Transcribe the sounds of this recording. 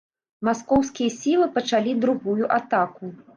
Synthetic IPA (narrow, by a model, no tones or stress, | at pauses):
maskɔwskʲijɐsʲilˠɨpɐt͡ʂalʲid̪ɾuɣujuʔat̪aku